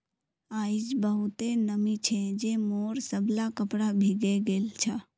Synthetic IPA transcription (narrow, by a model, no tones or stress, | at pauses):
aːid͡ʒbəɦut̪enəmit͡ʃʰɛd͡ʒemoːɾsəblakəpɽabʱiɡeɡeːlt͡ʃʰə